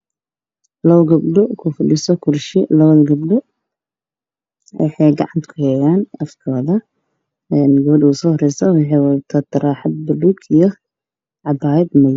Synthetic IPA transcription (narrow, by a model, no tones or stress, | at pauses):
lɐwɡɐbɖɔkʰʊfʊɖɪsɔkʰʊrʃɪ̰lɐβɐðɐɡɐbɖɔ | wʔɑ̰ħɑjɡɑ̰ʕɑnt̪ʰkʰʊhɛjaːnɐfkʰɔːðɐ | ɛːnɡɔβɖɪuːsɔːhɔrɛjsɐwɑħɑjwɑðɐt̪ʰaːt̪ʰːɐɾaːħɑd̪̚bɐluːɡijɔ | ʕɑbaːjɛd̪mɐj